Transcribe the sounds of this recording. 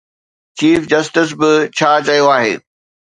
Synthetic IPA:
t͡ɕiːfd͡ʑɐsʈɪs̬bɪt͡ɕʰaːt͡ɕɐijoaːɦḛː

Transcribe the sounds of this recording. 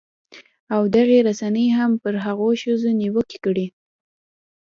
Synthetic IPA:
awd̪aɣeɾasanəjɦampəɾɦaɣoʃəzoniwəke̥kəɽi

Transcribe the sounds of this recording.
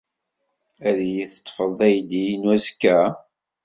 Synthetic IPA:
æðijiθə̥t̪ˤːfəðˤæjd̪ijnwæzkːæ

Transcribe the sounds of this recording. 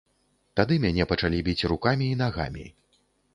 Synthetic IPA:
t̪ad̪ɨmʲanʲɛpɐt͡ʂalʲibʲit͡sʲrukamʲiːn̪aɣa̰mʲḭ

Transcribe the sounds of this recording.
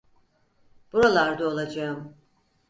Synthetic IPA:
b̥uɾalˠaɾd̪aolˠad͡ʒaɯm

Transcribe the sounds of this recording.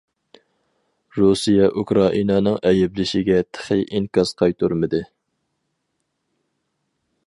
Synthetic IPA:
ɾusijɛʔukɾɑʔinɑnɨŋɛjɪblɪʃɪɡʲɛt̪ʰə̥χəʔiŋkɑz̥qʰɑjt̪ʰuɾmɨd̪ɨ

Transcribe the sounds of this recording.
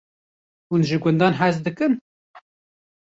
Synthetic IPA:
hunʒɨɡʷɛnd̪ɑːnɦæzd̪ɨkɨn

